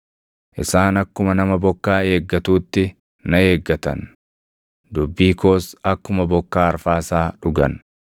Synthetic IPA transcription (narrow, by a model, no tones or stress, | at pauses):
ʔɪsaːnɐkːʊmɐnɐmɐbɔkːaːe̞ːɡːɐt̪uːt̪ːɪ | nɐeːɡːɐt̪ɐ̰n | d̪ʊbːiːko̞ːsɐkːʊmɐbɔkːaːɐɾfaːsaːᶑʊɡɐ̰n